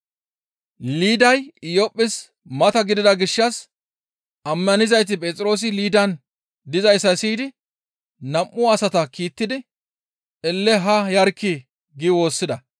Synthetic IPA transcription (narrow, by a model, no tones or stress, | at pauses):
liːd̪ɐjɪjɔpʼːɪs | mɐt̪ɐɡɪd̪ɪd̪ɐɡɪʃːɐs | ɐmːɐnɪzɐjt̪̬ɪpʼɛt͡sʼɪɾo̞ːs̬ɪliːd̪ɐn | d̪ɪzɐjsːɐsiːd̪ɪ | nɐmːʊɐsɐt̪ɐkiːt̪ːɪd̪ɪ | ɛlːɛɦɐjɐɾkːɪ | ɡɪwo̞ːsːɪd̪ɐ